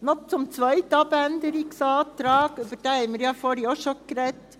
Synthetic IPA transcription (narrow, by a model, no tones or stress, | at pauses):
nɔtt͡sɔmt͡sʋœɪt̪ɑbɛnd̪əɾɪksɑːd̪̥ɾɑːɡøbədɑːɛɪməɾjɑːfɔːɾjoʃɔkɾɛt̪